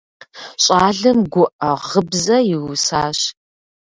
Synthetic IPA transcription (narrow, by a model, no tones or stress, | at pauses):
ɕʼaːɮɨmɡʷʊʔɐʁəbzɐjɪwʊsaːɕ